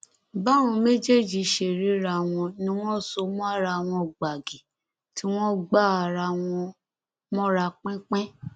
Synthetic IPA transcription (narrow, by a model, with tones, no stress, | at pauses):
ba˦w̃ɔ̃˧me˦d͡ʒe˦˨d͡ʒi˧˦ʃe˨ɾi˨˦ɾa˧˨w̃ɔ̃˧nĩ˧˦w̃ɔ̃˦so˧mɔ̃˦a˦ɾa˧w̃ɔ̃˧˨ɡ͡ba˨ɡi˨ | ti˦w̃ɔ̃˦ɡ͡ba˦˨a˨˧˨ɾa˧w̃ɔ̃˧ | mɔ̃˦ɾa˧k͡pɛ̃˦k͡pɛ̃˦